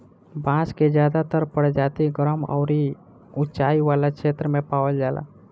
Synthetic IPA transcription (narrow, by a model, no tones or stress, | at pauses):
bãːsked͡ʒjaːd̪at̪əɾpəɽd͡ʒaːt̪iɡəɾəmɔ̰ʊɾi | ʊt͡ʃaːiʋaːlakʃeːt̪ɾəmẽpaːwəld͡ʒaːla̰ː